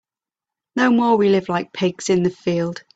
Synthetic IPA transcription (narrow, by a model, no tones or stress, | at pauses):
nəʊmɔːwilɪvlaɪk̚pʰɪɡsɪ̃nðəfiːlˠd̥